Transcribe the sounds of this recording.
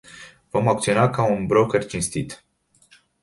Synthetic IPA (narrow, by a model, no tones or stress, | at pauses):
vo̞mak̚t̪sio̞nakaunbɾokert͡ʃinst̪it̪